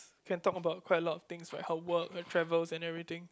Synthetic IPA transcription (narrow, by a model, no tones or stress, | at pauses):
kʰɛ̃ntɔkəbaʊt̚kwaɪtəlɔtɔft̪ɪ̃ŋsɹaɪkhəwəkhətʰɹɛvəlsɛ̃nɛvɹit̪ɪ̃ŋ